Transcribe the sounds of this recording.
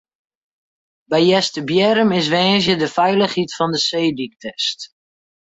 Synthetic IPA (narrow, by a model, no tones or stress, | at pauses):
bɛjjɛstəbjɛɾəmɪs̬ʋɛːnzjədəfɛjləχhitfɔndəseːdik̚tʰɛst